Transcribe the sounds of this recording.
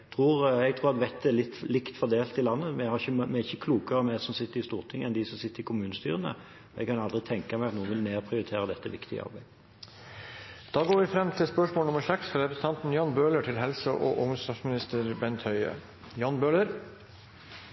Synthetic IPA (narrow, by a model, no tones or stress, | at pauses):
t̪ʰʁuːɾɛɡt̪ʰɾuːɾɑt̪ʋɛt̪ːəlɪt̪ːlɪkt̪fɔd̪eːlt̪ɪlɑnːəmɛhɑʁɪçːəmɛɪçːəkʰluːkəʁəmɛsɔmsɪt̪ːəɾɪst̪uːʁt̪ʰɪŋːəɛnd̪ɪsɔmsɪt̪ːəɾɪkʰʊmʉːnəst̪y̰ːʁənə̰ | ɛ̰ɡkʰɑnɑld̪ʁɪt̪ʰɛŋkɑmæɪɑt̪nuːənʋɪlneːpʰʁɪʊɾɪt̪ʰeːɾəd̪ɛt̪ːəʋɪ̰kt̪ɪɡə̰ʔɑ̰ɾbæɪ | d̪̥ɑːɡoːʋɪfɾɛmːt̪ʰɪlspœʂmoːlnʊməsɛksfɾɑɾɛpʰɾəsn̩ɑnt̪n̩jɑːnbøːləʈʰɪlɦɛlsəʔɔ̰ʔʊŋəst̪ɑsmɪnɪst̪əɾbɛnt̪hœʏə̰ | jɑːnbøːləɾ